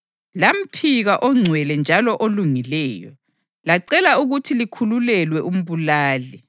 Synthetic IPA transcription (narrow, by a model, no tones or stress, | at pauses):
lam̩pʰiɣaʔɔŋ͡ǀʱwɛlɛnd͡ʒʱalɔʔoluŋilɛːjɔ̰ | laǀɛlauɣutʰilikʰululɛlwɛʔum̩βulaːli